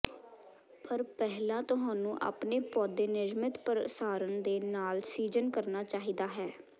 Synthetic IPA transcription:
pʰəɾpɛɦlãːt̪ʊɦãːnũːʔa̰ːpneːpɔːd̪eːnɪd͡ʒmət̪pəɾsaːɾənd̪eːnaːlsiːd͡ʒənkəɾnaːt͡ʃaːɦiːd̪aːɦɛː

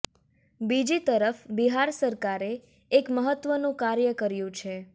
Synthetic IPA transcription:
bid͡ʒit̪əɾəfbiɦaɾsəɾkaɾeː | kməɦət̪ʋənũkaɾjəkəɾjũt͡ʃʰe

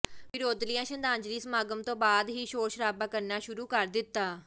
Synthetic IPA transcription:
ʋɪɾoːd̪lɪjãːʃənd̪ãːɲd͡ʒɾiːsəmaːɡəmt̪õːbaːd̪ɦiːʃoːɾʃəɾaːbãːkəɾnaːʃʊɾuːkəɾd̪ɪt̪ːaː

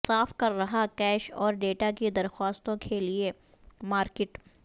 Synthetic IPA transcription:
saːfkɐɾːɐɦakɛːʃɔːɾɖeːʈakid̪ɐɾxwaːst̪õkʰelie | maːɾkɪʈ

